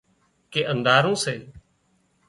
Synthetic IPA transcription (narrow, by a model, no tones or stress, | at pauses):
keːʔənd̪aːɾũːseː